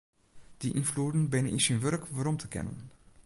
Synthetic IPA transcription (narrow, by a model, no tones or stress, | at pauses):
d̥iʔinfluːdən̩bɪnənisinʋørkʋaɾɔmtʰəkɛ̰nə̰n